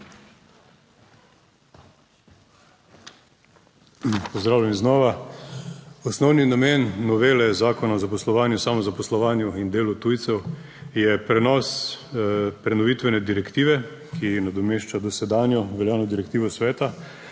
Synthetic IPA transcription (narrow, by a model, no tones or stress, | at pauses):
pɔzd̪ɾaːwljɛmznɔːʋa | ɔsnɔwninameːnːɔʋeːlɛzaːkɔnaɔzapɔslɔʋaːnjusamɔzapɔslɔʋaːnjuind̪eːlut̪uːjt̪sɛw | jɛpɾɛnɔs | pɾɛnɔʋit̪ʋɛnɛd̪iɾɛkt̪iːʋɛ | kʰinad̪ɔmeːʃt͡ʃad̪ɔsɛd̪aːnjɔʋɛljaːnɔd̪iɾɛkt̪iːʋɔsʋɛːt̪a